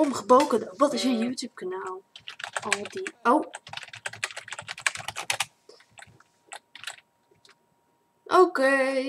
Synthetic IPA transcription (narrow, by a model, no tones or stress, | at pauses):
ɔmχəbowkədoʋɔtɪsjənjuːtjuːp̚kanaːlˠɔldiow | ʔoke